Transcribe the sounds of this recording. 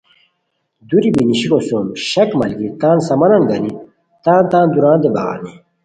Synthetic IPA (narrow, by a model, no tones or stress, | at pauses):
d̪uɾibiniɕikosomɕɐkmɐlɡit̪aːnsɐmɐnɐnɡɐni | t̪ãːnt̪ãːnd̪uɾãːnd̪ebɐɣa̰ːni